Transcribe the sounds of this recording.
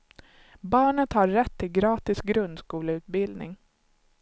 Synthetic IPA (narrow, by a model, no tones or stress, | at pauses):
bɑːɳət̪haːɛt̪ʰːɪlɡɾɑːt̪ɪsɡɾɵnd̪skuːləʉ̟t̪̚bɪld̪nɪ̰ŋ